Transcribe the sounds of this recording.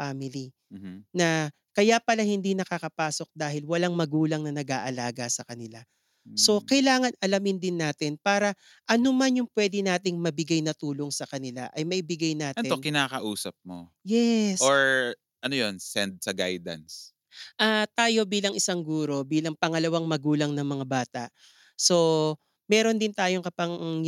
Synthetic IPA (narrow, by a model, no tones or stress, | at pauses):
faːmɪli | m̩nɐ | kɐjapɐlahɪnd̪inɐkakɐpaːso̞k̚d̪aːhɪlwɐlaŋmɐɡuːlɐŋnɐnɐɡaːʔɐlaːɡɐsɐkɐnɪla | so̞kɐjlaːŋɐnɐlɐmɪnd̪ɪnːaːt̪ɪnpaːɾɐ | ʔɐnomanjʊŋpwɛːd̪ɪnaːt̪ɪŋmɐbɪɡajnɐt̪uːlo̞ŋsɐkɐnɪla̰ʔɐjmɐʔɪbɪɡajnaːt̪ɪokɪnaːkɐʔuːsɐp̚mo̰ | jɛsoɹ | ʔɐnojonsɛnd̪̚sɐɡa̰jd̪ɐ̰ns | ʔaːt̪aːjo̞biːlɐŋʔɪsaŋɡuːɾo̞biːlɐŋpɐŋɐlɐwaŋmɐɡuːlɐŋnɐŋmɐŋabaːt̪ɐʔ | so̞ | mɛːɾo̞nd̪ɪnt̪aːjoŋkɐpɐŋ